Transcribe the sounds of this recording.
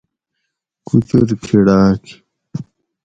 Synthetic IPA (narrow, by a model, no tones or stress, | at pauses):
kut͡ɕoɾkʰiɽaːki̥